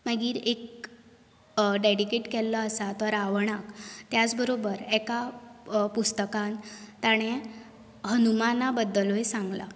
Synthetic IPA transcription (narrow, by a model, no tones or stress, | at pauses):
məɡiːɾek̚ | ɖeɽikeʈkɛlːɔəsat̪əɾaʋɳ̃akt̪jat͡sbəɾobəɾɛka | pust̪əkant̪aɽ̃e | hənumanabəd̪ːəloɦesãŋɡla̰